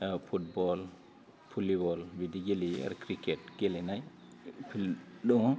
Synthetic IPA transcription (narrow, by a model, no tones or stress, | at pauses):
fut̚bɔl | pʰulibɔlwidiɡelia̰ɾkɾikɛt̚ɡ̥elinaj | pɗɔŋ